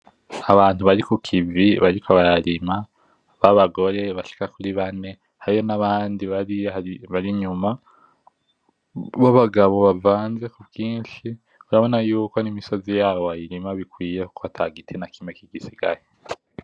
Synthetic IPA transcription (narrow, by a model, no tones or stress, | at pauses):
aβaːn̥huβaɾikukʰiviβaɾikoβaɾaɾima | βaβaɡo̞ɾe̞βaʃi̥kakuɾiβane̞ | haɾijo̞naβaːndiβaɾiaiβaɾiɲuma | βoβaɡaβo̞βavaːnze̞kuβɡiːnʃi | βuɾaβo̞najuːko̞nimiso̞zijaːβoβajiɾimaβikwiːje̞ku̥koβatʰaɡitʰinakimekiɡisiɡaɾe